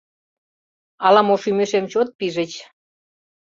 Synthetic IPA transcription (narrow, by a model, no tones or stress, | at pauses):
ɑlɑmoʃymeʃemt͡ɕot̪̚piʒə̆t͡ɕ